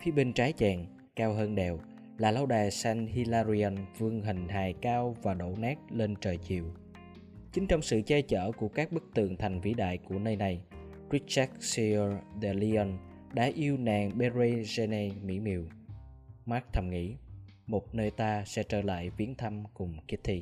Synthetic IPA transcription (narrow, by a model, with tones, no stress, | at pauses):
fi˨˦əɓï˧ŋ̟t͡ɕaː˨˦jt͡ɕɛː˨˩ŋ | kaː˧wɦəː˧nɗɛ˨˩w | laː˨˩la˧wɗaː˨˩jsɛ˧ŋhi˧laː˧zi˧ə˧nvɨ˧əŋɦï˨˩ŋ̟ɦaː˨˩jkaː˧wvaː˨˩ɗo̰˧˩nɛː˦˥t̚le˧nt͡ɕəː˨˩jt͡ɕḭ˨əw | t͡ɕï˨˦ŋ̟t͡ɕɔ˧wŋ͡msɨ̰˧˨t͡ɕɛ˧t͡ɕə̰ː˧˩ku˧˩əkaː˦˥k̚ɓɨ˦˥k̚t̪ɨ̰˧˨əŋt̪ʰa˨˩jŋ̟vḭ˧˥ɗa̰ː˧˨jku˧˩ənəː˧jna˨˩j | ɹi˦˥k̚t͡ɕɛ˦˥k̚si˧ə˧ɗɛ˧˩li˧ɔ˧n | ɗa̰ː˧˥ʔi˧əwnaː˨˩ŋɓe˧ze˧ze˧ne˧mḭ˧˥mḭ˨˩˨w | ma˦˥k̚t̪ʰə˧˩mŋḭ˧˥ | mo˨˩t̚nəː˧jt̪aː˧sɛ̰˧˥t͡ɕəː˧˩la̰ː˧˨jvi˨˦ənt̪ʰa˧mkʊ˨˩ŋ͡mki˦˥əp̚t̪ʰi˧